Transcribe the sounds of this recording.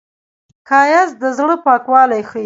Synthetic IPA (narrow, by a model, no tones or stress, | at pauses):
kʰɑjazd̪əzɽəpɑkwɑlajxə